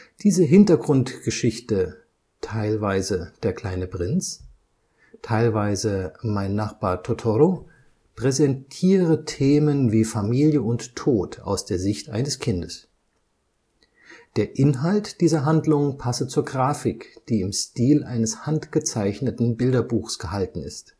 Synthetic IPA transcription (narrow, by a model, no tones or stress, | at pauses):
d̥iːzəɦɪntɐɡʁʊntɡ̥əʃɪçtə | tʰaɪlvaɪzəd̥eːɐkl̥aɪnəpʁ̥ɪnt͡s | tʰaɪlvaɪzəmaɪnːaχb̥aːɐtʰotʰɔɾo | pʁ̥ɛzɛntʰiːʁətʰeːmənviːfamiːljəʊntʰːoːtʰa̰ʊsd̥eːɐzɪçtʔaɪnəskʰɪndəs | d̥eːɐʔɪnɦaltd̥iːzɐɦandlʊŋnpʰasət͡suːɐɡʁaːfɪkd̥iːɪmʃtiːlʔaɪnəshantɡ̥ət͡saɪçnətn̩bɪldɐbuːxsɡ̥əhaltn̩ɪ̰st